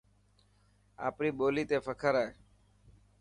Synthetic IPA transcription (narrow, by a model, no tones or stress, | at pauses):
a̰ːpniːɓoːliːt̪eːfʰəkʰəɾaːe